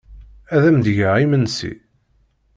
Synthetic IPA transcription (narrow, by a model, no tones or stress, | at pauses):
æðæmd̪ʝəʁimənsḭ